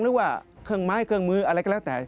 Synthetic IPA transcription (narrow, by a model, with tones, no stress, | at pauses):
ŋɾɯː˦˥˩kwaː˧˩kʰɯ˧˩əŋmaː˦˥˩jkʰɯ˧əŋmɯː˧ʔa˧ɾa˧jka˧˩lːt̪ɛː˨˩˦